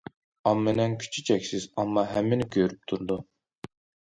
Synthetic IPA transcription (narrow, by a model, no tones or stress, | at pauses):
ɑmːenɛnkʲʰy̥t͡ʃʰyt͡ʃʰɛkʲsɪzɑmːɑɦɛmːɪnɪɡʲøɾyp̚t̪ʰuɾd̪u